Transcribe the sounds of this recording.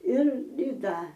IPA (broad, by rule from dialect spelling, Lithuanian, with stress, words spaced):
ɪr ɪ ˈdɐ